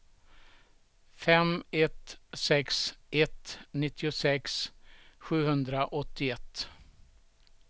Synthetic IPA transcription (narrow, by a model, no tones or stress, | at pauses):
fɛmɛt̪sɛksɛt̪nɪt̪ʰːɪʊsɛksɧʉ̟ːhɵnd̪ɾaʔɔt̪ːɪɛt̪ː